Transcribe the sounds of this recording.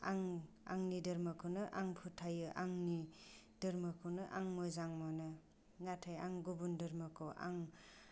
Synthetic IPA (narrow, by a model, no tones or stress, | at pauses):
aŋ | a̰ŋnidɐɾmɯkʰɯwnɯʔaŋpʰutʰajɯʔaŋni | dɯɾmɯkʰɯwnɯʔaŋmojzaŋmɔnɯ | natʰajaŋɡubundɯɾmɯkʰɯwʔa̰ŋ